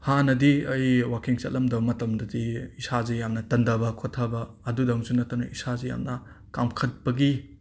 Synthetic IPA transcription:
hanɐdiɐjwakiŋt͡ʃɐ̰t̚lʔɐmdɐbɐmɐtɐmdɐdiisazejamnɐtɐndɐbɐkʰotʰːabɐːdudɐŋzunɐtːɐnɐʔisazeja̰mnɐ | kamkʰɐt̚bɐɡi

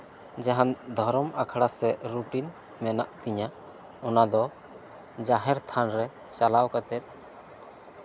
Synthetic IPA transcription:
d͡ʒaɦand̪ʱɔɾɔmakʰaɽasɛɾuʈin | mɛnaʔt̪iɲa | ɔnad̪ɔ | d͡ʒaɦɛɾt̪ʰanɾɛ | t͡ʃalawkat̪ɛt̪̚

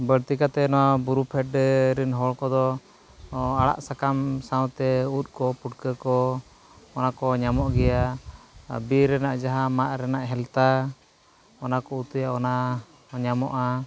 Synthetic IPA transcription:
bəɽt̪ikat̪ɛnɔwabuɾupʰɛʈːɛɾinɦɔɭkɔd̪ɔ | aɽa̰ʔsakamsawt̪ɛut̪̚ˀkɔpuʈkəkɔ | ɔnakɔɲamɔʔɡɛja | biɾɛnaʔd͡ʒaɦãmaʔɾɛnaʔɦɛlt̪a | ɔnakɔut̪əjaɔna | ɲamɔʔa

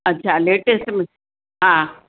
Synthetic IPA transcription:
ɐtːɕʰaleːʈesʈmɪ | ɦã

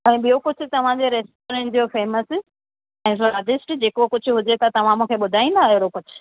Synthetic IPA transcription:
ɛ̃ːɓijokʊd͡ʑʱʰʊ̆t̪ɐʋ̤ãd͡ʑeɾeːsʈoːɾẽɳʈd͡ʑofeːməs | ɛ̃ːfaːɖɪsʈd͡ʑeːkokʊd͡ʑʱʰʊɦʊd͡ʑet̪ɐt̪ɐʋ̤ãmũːkʰeɓʊd̪ʱaːĩnd̪aːɦjoɾokʊd͡ʑʱʰʊ̥

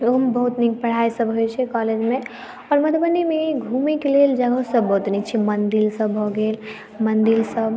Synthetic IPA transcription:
mbəɦut̪nik̚pəɽ̤aisəbɦojt͡ʃʰɛkɔled͡ʒmẽ | ɔːɾmət̪ʰbənemeɡʱumekeleld͡ʒəɡəsəbəɦut̪nikt͡ʃʰimənd̪ilsəbɦɔɡel | mənd̪ilsəb

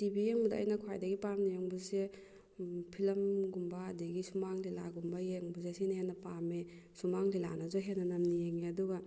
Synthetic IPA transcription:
tibijeŋbɐdaɐ̰jnɐkʰwajdɐɡipaɾnijeŋbɯze | pʰilɐmɡumbaːdiɡisumaŋlilaɡumbajeŋbuzesinɐɦenːɐpame | sumaŋlila̰nazoɦenːɐnɐmnijeŋeɐduɡa

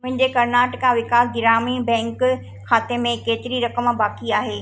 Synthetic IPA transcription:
mʊ̃ɦɪ̃ɲd͡ʑekɐɾnaːʈɪkãʋɪkaːlɡɪɾaːmibɛ̃ːŋk | xaːt̪emẽkeːt̪ɪɾiɾɐkəmbaːkiaːɦeː

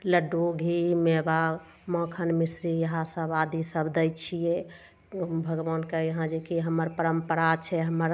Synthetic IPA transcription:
ləɖoɡʱimeba | mə̃kʰənmisɾijəɦãsəbad̪isəbd̪əjt͡ʃʰije | bʱəɡʋankəəɦãd͡ʒekiɦəməɾpəɾəmpəɾat͡ʃʰɛɦəməɾ

